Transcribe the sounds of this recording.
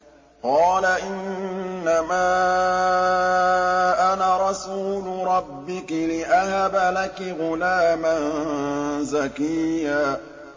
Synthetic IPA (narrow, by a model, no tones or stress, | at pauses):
qɑːlaʔɪnːamaː | ʔanaɾˤɑsuːlʊɾˤɑbːɪkɪlɪʔahabalakɪɣʊlaːmannzakɪjaː